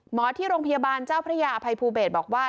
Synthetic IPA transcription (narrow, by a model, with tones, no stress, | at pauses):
mɔː˩˦t̪ʰiː˥˩ɾoː˧ŋpʰa˧jaː˧baː˧nt͡ɕaː˥˩wpʰɾa˦˥jaː˧ʔa˧pʰa˧jpʰuː˧beː˨˩t̪̚bɔː˨˩k̚waː˥˩